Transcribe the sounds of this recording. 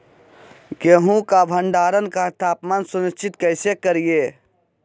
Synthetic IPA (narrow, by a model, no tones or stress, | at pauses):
keɦũkabʱəɳɖaːɾənkat̪ʰapmansunist͡ʃit̪kəjsekəɾije